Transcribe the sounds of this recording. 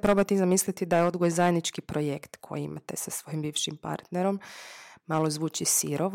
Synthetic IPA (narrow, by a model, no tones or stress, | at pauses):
pɾo̞bat̪izamislit̪id̪ajeo̞d̪ɡojezajed̪nit͡ʃkipɾojekt̪kʰo̞̰jiḭmat̪esasʋo̞jimbiːʋʃimpa̰ɾt̪neɾo̞mmalˠozʋuːt͡ʃisiɾoʋ